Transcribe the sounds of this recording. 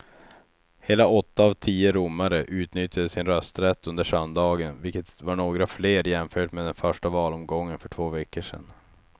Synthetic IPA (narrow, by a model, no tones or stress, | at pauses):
heːlaɔt̪ːaːvt̪ʰiːəɾʊmːaɾəʔʉ̟ːt̪nʏt̪jad̪əsɪnɾœst̪ɾɛt̪ːɵnd̪əʂœnd̪ɑːɡənvɪlkːət̪vaɳoːɡɾafleːɾjɛmfœːʈmeːd̪ɛnfœʂʈavɑːlɔmɡɔŋːənfœʈʰvoːvɛkːəʂɛ̰n